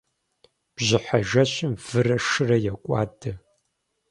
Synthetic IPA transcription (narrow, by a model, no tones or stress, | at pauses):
b̥ʑɪħaʒɐɕɪmv̥ɨrɐʃɨrɐjɛkʷʼa̰ːdɐ